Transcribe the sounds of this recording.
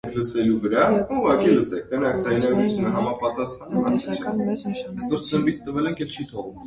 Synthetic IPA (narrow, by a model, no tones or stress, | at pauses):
kʰləsɛluvəɾɑuʁɑkiləsɛk̚ʰt̪ɛnɑkʰd͡zɑjnɑɡɾut͡sʰjunəɦɑmɑpɑt̪ɑsχɑnɑ̰t̪ɛ | ɛsʰvɔɾzəmbit̪ːəvɛlɛŋkʰjɛlt͡ʃʰit̪ʰɔʁvum